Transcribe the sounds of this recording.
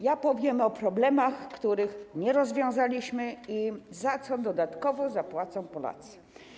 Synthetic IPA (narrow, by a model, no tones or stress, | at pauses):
japɔvʲjɛmɔpɾɔblɛmaxkt̪uɾɘxɲɛɾɔzvʲjɔ̃w̃zalʲiɕmɘizat̪sɔd̪ɔd̪at̪kɔvɔzapwat̪sɔ̃w̃pɔla̰t̪sɛ̥